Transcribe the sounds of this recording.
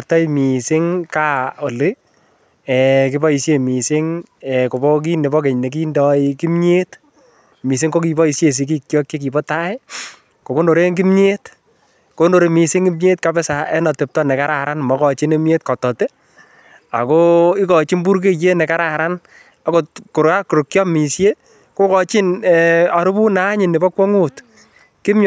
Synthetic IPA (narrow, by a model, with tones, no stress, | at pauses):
tɔ˦jmi˨sɪ˦ŋka˦o˨le˦ | ɛkɪ˦bɔ˦i˨sje˨mi˨sɪ˦ŋɛ˨ko˨bɔ˦k̬i˦ne˨bɔ˦ke˨ɲne˨k̬i˦ndɔ˨ɪki˦mɲe˦t | mi˨s̬ɪ˦ŋko˦ki˨bɔ˦i˨sje˨s̬i˦k̬i˦kjɔ˦k̚t͡ʃe˦k̬i˨bɔ˦ta˦ɪ˦ | ko˨ko˦no˨ɾe˦ŋki˦mɲe˦t | ko˦ndo˨ɾe˧mi˨sɪ˦ŋi˦mɲe˦tka˦bɛ˦sa˨ɛ˦nɔ˨te˨p̚tɔ˦nɛ˨ka˦ɾa˨ɾa˦nmɔ˨kɔ˨t͡ʃi˦ne˦mje˦t̚kɔ˨tɔ˨te˦ | a̰˨ko˦ɪ˦kɔ˨t͡ʃi˦mbu˦ɾk̬e˦je˦nɛ˨ka˦ɾa˨ɾa˦n | a˨˦ko˨ku˨ɾa˦ku˨ɾu˨kːjɔ˦mi˨sje˦ | ko˦kɔ˨t͡ʃɪ˦nɛa˨ɾu˦bu˦na˦ɲɪ˨nɪ˨bɔ˦kwɔ˦ŋu˦t | kɪ˦m